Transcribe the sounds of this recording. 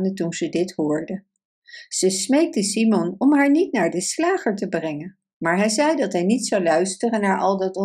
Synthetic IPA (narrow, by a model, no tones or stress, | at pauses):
ndətunzədɪtɦʊːɹdə | z̥əsmejk̚təsimɔnɔmɦaːɹnitnaːɹdəslaːχəɹtəbrɛŋən | maːɹɦɛjzɛjdɑtɦɛjnitsɑwlœɥstərənːaːɹʔɑ̰lˠdɑtɔ